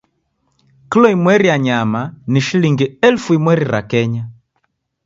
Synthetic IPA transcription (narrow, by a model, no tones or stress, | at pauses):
kilɔimwɛɾijaɲamaniʃiliŋɡiɛlfuimwɛɾiɾa̰kɛɲa